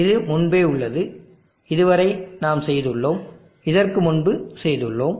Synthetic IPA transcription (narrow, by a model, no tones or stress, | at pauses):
ɪðɯmʊɳbeːʊɭːɐðɯ | ɪðɯʋɐɾɐɪnaːmsɛjðɯɭːoːm | ɪðɐrkɯmʊnbɯsɛjðɯɭːoːm